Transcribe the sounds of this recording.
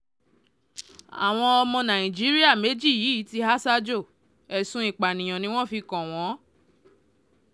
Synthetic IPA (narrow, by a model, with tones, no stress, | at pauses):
a̰˨w̃ɔ̃˧ɔ˧mɔ̃˧nã˨ĩ˨d͡ʒi˦ɾi˦a˦˨me˨˦d͡ʒi˦˨jiː˨˦ti˧˦ɦa˦sa˦d͡ʒo˦˨ | ɛ˨sũ˨˦i˦˨k͡pa˨nĩ˨j̃ɔ̃˨nĩ˦w̃ɔ̃˦˨fi˧kɔ̃˨w̃ɔ̃˨˦